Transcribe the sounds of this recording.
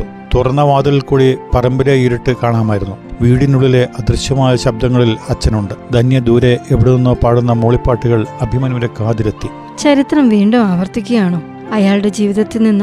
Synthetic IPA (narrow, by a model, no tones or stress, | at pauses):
t̪urɐnːɐʋaːd̪ɐɣilkuːɻipɐrɐmbɐɾɐjiɾiʈːɨkaːɳaːmaːjiɾunːuʋiːɽinuɭːile̞ʔɐd̪rɨɕjɐmaːjɐɕɐb̚d̪ʱɐŋːɐɭilɐt͡ɕːɐnuɳɖɨd̪ʱɐnjɐd̪uːɾe̞eʋiɽeninːo̞ːpaːɽunːɐmoɭipːaːʈːuɣɐɭɐbʱimɐniɾekaːd̪iɾɐt̪ːi | t͡ɕɐɾit̪rɐmʋiːɳɖumaːʋɐrt̪ikʲːujaːɳoː | ɐjaːɭɽe̞d͡ʑiːʋiðɐt̪ːilninː